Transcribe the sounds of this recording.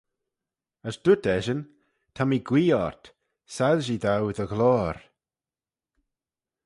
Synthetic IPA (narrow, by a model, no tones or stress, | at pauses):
əsd̪̥ʊtɛʒən | tʰamiɡwiːɔɹt | saðʒiðawɪðəɣlɔːɾ